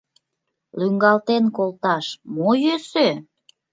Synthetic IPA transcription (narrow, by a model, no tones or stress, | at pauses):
lyŋɡɑlt̪enkolt̪ɑʃmojøsø